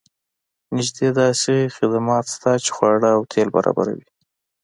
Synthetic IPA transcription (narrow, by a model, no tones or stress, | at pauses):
nɪʒd̪ed̪ɑsexɪd̪amɑt̪st̪at͡ʃe̥xwɑɽəːwt̪ʰelba̰ɾɑ̰ba̰ɾa̰wi